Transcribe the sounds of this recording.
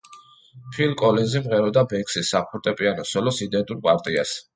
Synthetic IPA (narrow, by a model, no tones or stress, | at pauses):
pʰilkʼɔlɛzimʁɛɾɔd̪abɛkʼsisːapʰuɾt̪ʼɛpʼianɔsɔlɔsid̪ɛnt̪ʼuɾpʼaɾt̪ʼias